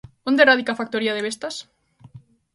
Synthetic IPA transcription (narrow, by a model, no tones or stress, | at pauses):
ond̪eɾaðikafak̚t̪oɾiaðeβ̞est̪as